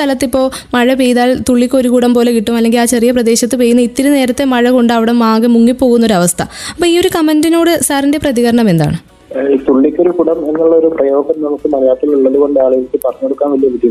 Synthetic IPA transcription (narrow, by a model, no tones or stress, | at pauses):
t̪ɐlɐt̪ːipːo̞ːmɐɻɐpejðaːlt̪uɭːikʲːo̞ɾukuɽɐmpo̞ːle̞kiʈːumɐlːe̞ŋɡilaːt͡ɕerijɐprɐd̪e̞ːɕɐt̪ːɨpejːunːɐit̪ːiɾune̞ːɾɐt̪ːemɐɻɐko̞ɳɖɐʋiɽemaːɣɨmuŋːipːo̞ːɣunːɐo̞ɾuɐʋɐst̪ʰɐɐpːoːiːo̞ɾukɐmɐndino̞ːɽɨsaːrinde̞prɐðiɣɐɾɐɳɐme̞nd̪a̰ːɳɨ | it̪uɭːikʲːo̞ɾukuɽɐme̞nːuɭːɐo̞ɾuprɐjo̞ːɡɐmnɐmukːɨmɐɾɐjaːt̪ːiluɭːɐðuɣo̞ɳɖɨaːɭijilkːɨpɐrɐɲːoɽukːaːnʋɐlijɐʋidj